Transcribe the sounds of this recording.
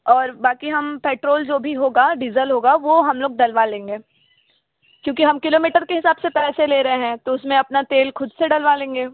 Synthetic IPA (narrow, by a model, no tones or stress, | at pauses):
ɔːɾbaːkiɦɐmpeːʈɾoːld͡ʒoːbʱiɦoːɡaɖizəlɦoːɡaʋoɦɐmloːɡ̚ɖɐlʋalẽːŋɡeː | kjõːkiɦɐmkɪloːmiːʈəɾkeɦɪsaːbsepɛːseleːɾɐɦeɦɛ̃ːt̪oʊsmẽɐpnat̪eːlxʊd̪seɖɐlʋalẽːŋɡeː